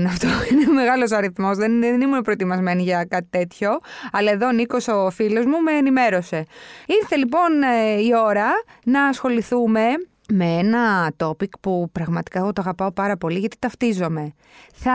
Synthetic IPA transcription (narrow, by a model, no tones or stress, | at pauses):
nɐft̪oineome̞ɣɐlo̞sɐɾiθmo̞zðennimune̞pɾo̞et̪imɐzme̞niʝɐkɐt̪i̥t̪e̞t̪ço̞ɐlɐe̞ðoːniko̞so̞filo̞zmume̞ːnime̞ɾo̞se̞iɾθe̞lipo̞nio̞ɾɐnɐːsxo̞liθume̞ | meenɐt̪o̞pikpupɾɐɣmɐt̪i̥kɐeɣo̞t̪oɐɣɐpɐo̞pɐɾɐpo̞liʝɐt̪it̪ɐft̪izo̞me̞ | θɐ